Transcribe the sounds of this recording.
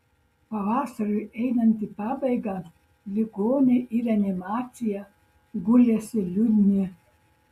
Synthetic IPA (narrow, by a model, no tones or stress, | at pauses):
pavaːsaɾʲuʔɛjnanʲt̪ʲipabʲɛjɡa | lʲiɡoːnʲeʔiɾanʲɛmaːt̪ʲija | ɡulʲɛsʲilʲud̪ʲnʲi